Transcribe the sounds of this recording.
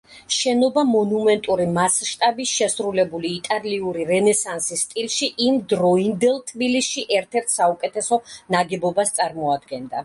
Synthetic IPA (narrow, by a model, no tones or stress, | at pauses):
ʃɛnɔbamɔnumɛnt̪ʼuɾimasʃt̪ʼabisʃɛsɾulɛbuliːt̪ʼaliuɾiɾɛnɛsansisːt̪ʼilˠʃiʔimd̪ɾɔind̪ɛlˠt̪ʰbilisʃiʔɛɾt̪ʰɛɾt̪ʰsaukʼɛt̪ʰɛsɔnaɡɛbɔbast̪sʼaɾmɔad̪ɡɛnd̪a